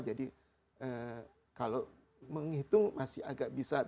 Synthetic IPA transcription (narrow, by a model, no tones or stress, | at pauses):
d͡ʒadi | ə | kalow | məŋit̪ʊŋmasɪhaɡaʔbisa